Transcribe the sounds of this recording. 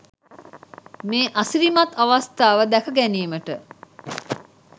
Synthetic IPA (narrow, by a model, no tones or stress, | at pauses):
meːʔasiɾimat̪aʋast̪aːʋəd̪ækəɡæniːməʈə